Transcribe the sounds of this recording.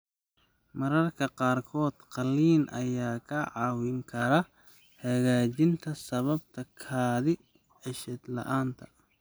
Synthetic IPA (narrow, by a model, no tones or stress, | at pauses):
mɐɾɐrkʰɐqɑːrkʰɔːd̪qɑliːnʔɐ̰jaːkʰɐʕɑːwɪŋkʰɐɾɐ | hɐɣaːt͡ʃɪnt̪ʰɐsɐβɐb̚t̪ʰɐkʰaːðɪ | ʕɪʃɛd̪lɐ̰ʔaːnt̪ʰɐ